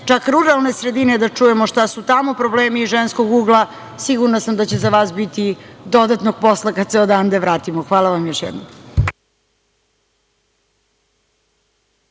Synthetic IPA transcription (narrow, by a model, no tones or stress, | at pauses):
t͡ʃakɾuɾalˠne̞sɾe̞d̪ine̞d̪at͡ʂuje̞moʃt̪asut̪amo̞pɾo̞bleːmiːʒensko̞ɡuːɡlˠa | siɡuɾnasamd̪at͡ɕezaʋaːsbit̪id̪o̞d̪at̪no̞ɡ̚po̞slˠakad̪seod̪and̪eʋɾaːt̪imoxʋaːlˠaʋamjoʃjɛ̰d̪nom